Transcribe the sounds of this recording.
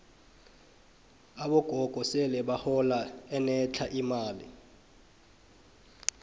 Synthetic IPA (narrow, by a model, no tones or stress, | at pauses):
aɓɔɡ̥ʱɔɡ̥ʱɔsɛlɛɓahɔlaɛnɛt͡ɬʰaʔimaːlḭ